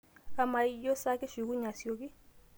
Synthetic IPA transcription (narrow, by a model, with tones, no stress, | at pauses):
a˨ma˨i˦jɔ˦sa˦kɛ˦ʃi˨k̬u˦ɲa˨si˨ɔ˨k̬i˦